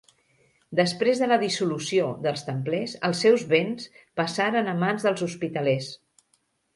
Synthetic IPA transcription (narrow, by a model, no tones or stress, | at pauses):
d̪əspɾezðələðisulusioðəlˠst̪əmplesə̰lˠsːɛwzβens | pəsaɾənəmanzðəlˠzuspit̪əlɛs